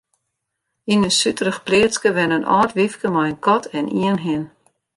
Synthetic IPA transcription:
inəsytəɾəxpleːskəʋɛnənʔɔ̰ːtʋɪfkəmɔjənkɔtʰɛnʔḭənɦɪən

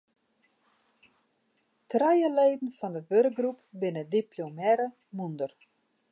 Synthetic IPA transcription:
trajəleːdn̩fɔndəʋørk̚ɡrupbɪnədiplomɛɾə | mundər

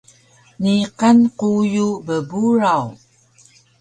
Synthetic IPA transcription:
niqanqujubəbuɾaw

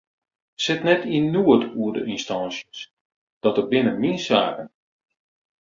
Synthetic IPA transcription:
sɪtnɛtʰiənuətuərdə̰ʔinstansjəs | d̥ɔtərbɪnənmiənsa̰ːkən

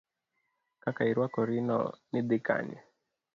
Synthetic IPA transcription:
kakaiɾwakɔɾinɔ̰nɪd̪ɪka̰ɲɛ̰

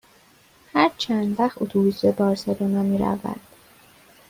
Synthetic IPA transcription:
hæɾt͡ʃʰænd̪væxut̪ʰubisebɒːɾselonɒmiːɾæ̰væ̰nd̪̥

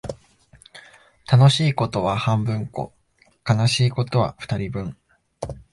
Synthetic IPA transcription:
t̪ano̞ɕiːko̞t̪o̞βahãmbɯ̟̃ŋko̞̰ | kanaɕiːko̞t̪o̞βa̰ɸɯ̟̥t̪aɾʲibɯ̟̃ɴ

